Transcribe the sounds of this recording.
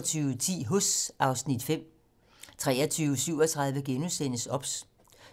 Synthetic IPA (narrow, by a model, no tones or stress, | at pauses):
t͡sʰyːʊət͡sʰḭːɦosʔɑ̈ʊsnid̥fem̰ | t͡sʰʁɛːɐt͡sʰyːʊsyʊ̰ɒt͡sʰʁɑ̈ð̞ˠʋəɡ̥enusen̰əsɒ̽b̥s